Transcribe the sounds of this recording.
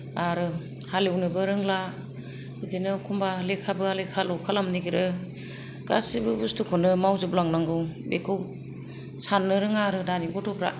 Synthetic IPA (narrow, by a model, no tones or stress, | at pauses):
aɾɯ | halewnɯbɯɾɯŋlḁ | idinɯkʰumbalekʰabɯalekʰalɔkʰalamniɡiɾɯ | ɡ̥a̰sibɯbustukʰɔnɯmawzɯblaŋnaŋɡɯwbekʰɯw | sanːɯɾɯŋaɾɯdaniɡɔtʰɔpʰɾa̰